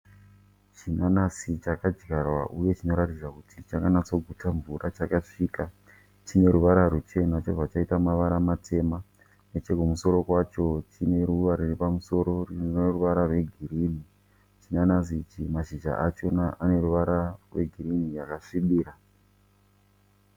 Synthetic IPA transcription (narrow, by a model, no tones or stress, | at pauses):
t͡ʃinanasit͡ʃakad͡ʒɡarwa̰ʔuje̞t͡ʃino̞ɾatid͡zakutʰit͡ʃaŋɡanat͡so̞ɡʱutaɱvurat͡ʃakaʂika | t͡ʃine̞ɾuʋaɾaɾut͡ʃe̞nat͡ʃoʐat͡ʃaitamaʋaɾamatʰe̞ma | net͡ʃe̞ɡʱumuso̞ɾo̞kwat͡ʃo̞t͡ʃine̞ɾuʋaɾiripamuso̞ɾo̞rieruʋaɾarwe̞ɡʱiɾiːni | t͡ʃinanas̬it͡ʃimaʃiʒa̰ʔat͡ʃo̞naʔane̞ɾuʋaɾarwe̞ɡʱiɾinijakaʂiɓiːɾa